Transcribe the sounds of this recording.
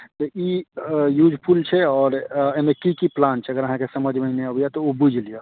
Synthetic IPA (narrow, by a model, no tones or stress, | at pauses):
t̪ɔʔijud͡ʒʱpʰult͡ʃʰɛɔɾeimekikiplant͡ʃʰɛəɡəɾəɦãkesəməd͡ʒʱməneəbijɛt̪ɔobud͡ʒʱlije